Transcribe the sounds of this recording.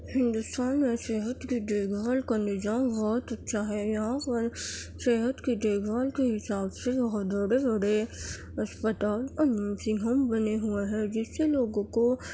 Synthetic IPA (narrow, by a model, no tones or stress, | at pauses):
hɪ̃nd̪ʊst̪aːnmẽseːɦət̪kiɖeːɡʱaːlkanɪd͡ʒãːnbɔːt̪ɐtːʃʰaɦɛjɐɦãpəɾseːɦət̪kiɖeːɡʱaːlkeɦɪsaːbsebɐɦɔt̪bəɽebɐɽe | ɐspət̪aːlɐnmsɪ̃ɦəmbɐneɦuaɦɛ̃d͡ʒɪsːeloːɡõko